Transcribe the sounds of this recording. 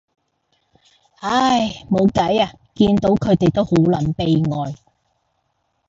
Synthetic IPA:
a˥jmo˨˧wkɐ˨˥jaː˨ | kiː˧nt̪o˨˥wkʰɵ˨˧ɥt̪e˨jt̪o˥who˨˥wlɐː˨˩npe˨jŋɔː˨j

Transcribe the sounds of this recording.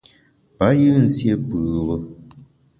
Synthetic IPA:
pa˨˦jɨ˦n̩˨sje˦bɨ˨bə˦

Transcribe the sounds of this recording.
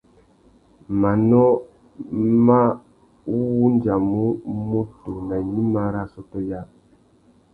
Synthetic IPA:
ma˨nɔ˦ | ma˦ | wu˦nd͡ʒa˨mu˦mo˦tu˨na˨ɲi˦ma˦ɾa˦˨sɔ˦tɔ˦ja˦˨

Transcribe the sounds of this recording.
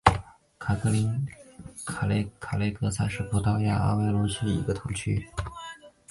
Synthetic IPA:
kʰa˨˩kʰɤ˧˥li˧˥n | kʰa˨˩le˧˥ɪkʰa˨˩le˧˥ɪkɤ˧˥sa˥ʂɻ̩˥˩pʰu˧˥t̪ɑ˥ja˥˩a̰˥we˥ɪlu˧˥ɕʰi˥ḭ˨˧˩ɡə˧t̪ʰʊ˧˥ŋt͡ɕʰy˥

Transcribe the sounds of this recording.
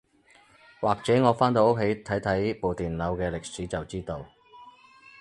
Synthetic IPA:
waː˨˩k̚t͡sɛː˨˥ŋɔː˨˧faː˥nt̪̬o˧wʊ˥k̚ʰe˨˥jt̪ʰɐ˨˥jt̪ʰɐ˨˥jpo˨wt̪iː˨nlɐ˨˧wkɛː˧lɪ˨k̚siː˨˥t͡sɐ˨˩wt͡siː˥t̪o˧w

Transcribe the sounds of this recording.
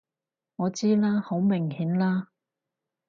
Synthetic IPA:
ŋɔː˨˧t͡siː˥laː˥ho˨˥wmɪ˨˩ŋhiː˨˥nlaː˥

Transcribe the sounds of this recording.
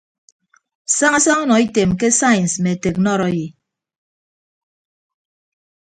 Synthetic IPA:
sa˦ŋa˦sa˦ŋu˦nɔ˨i˦te˨mke˦sa˦jnsme˨te˨k̚nɔ˦˨ɾɔ˦ji˨

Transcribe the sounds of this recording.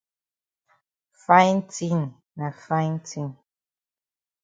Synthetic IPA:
fa˦jn˦ti˦˨n | na˨fa˦ɪn˦tʰi˦˨n

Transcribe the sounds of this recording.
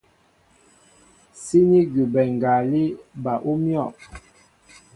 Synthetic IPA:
si˦ni˦ɡi˨bɛ˨ŋ˨ɡa˨li˦ba˨ʔo˦mjɔ˦˨

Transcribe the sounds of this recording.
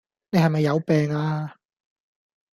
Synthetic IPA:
ne˧jhɐ˨jmɐ˨jːɐ˨˧wpɛː˨ŋaː˧

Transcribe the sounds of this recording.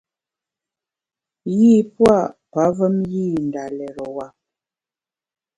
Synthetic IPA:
ji˦˨pwa˦˨pa˨˦və˦mjiː˦˨n˨da˨lɛ˨ɾɔ˨wa˨

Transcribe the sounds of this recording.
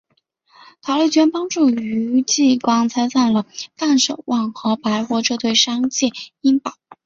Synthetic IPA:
t̪ʰɑ˨˩ʊle˥˩ɪt͡ɕɥɛ˧˥npɑ˥ŋʈ͡ʂu˥˩y˧˥t͡ɕi˥˩kwɑ˥ŋt͡sʰa˥ɪsa˥˩nlə˩t̪a˥˩nʂo˨˩ʊwʔɑ˥˩ŋxɤ˧˥pa˧˥ɪxwɔ˥˧ʈ͡ʂɤ˥˧t̪we˥˩ɪʂɑ˥ŋt͡ɕjɛ˥˩i˥npɑ˨˩˦ʊ

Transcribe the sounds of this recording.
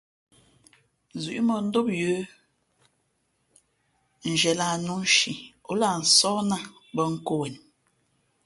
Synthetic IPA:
zʉ˨ʔmə˨n̩˦do˦p̚jə˦ | n̩˨d͡ʒɛ˨la˨nu˦n˦ʃi˨o˨˦la˨n̩˨sɔ˦na˦ | bə˦ŋ̩˦ko˦wɛ˨n˨

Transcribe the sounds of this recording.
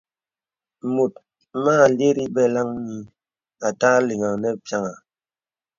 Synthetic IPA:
mo˨t̚ | maː˦˨le˦ɾi˦bɛ˦la˦ŋni˦ | a˨ta˦li˨ŋa˨nɛ˦pja˦ŋa˨

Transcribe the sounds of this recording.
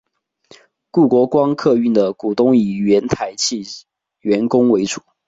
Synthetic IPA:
ku˥˩kwɔ˧˥kwɑ˦ŋkʰɤ˥˧y˥˩nd̪ə˩ku˨˩t̪ʊ˦ŋi˨˩ɥɛ˧˥nt̪ʰa˧˦˥ɪt͡ɕʰi˥˨ | ɥɛ˧˥nkʊ˥ŋwe˧˦ɪt͡su̥˨˩˦

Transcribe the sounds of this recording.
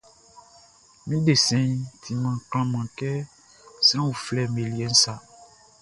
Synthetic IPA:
mĩ˦ɖe˨sɛ̃˨ĩ˦tʰĩ˨mã˨kl̃ã˦mã˨kɛ˦ | sɛ̃˦wu˨flɛ˨me˨li˨ɛ˨˦n̩˦sa˨

